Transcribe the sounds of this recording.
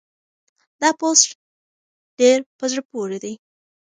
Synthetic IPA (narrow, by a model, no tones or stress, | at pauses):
d̪ɑposʈ | ɖ̥eɾpəzɽpoɾed̪aj